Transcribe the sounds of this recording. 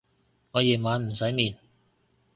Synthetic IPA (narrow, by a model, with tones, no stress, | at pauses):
ŋɔː˨˧jiː˨˩nmaː˨˧nm̩˨˩sɐ˨˥jmiː˨n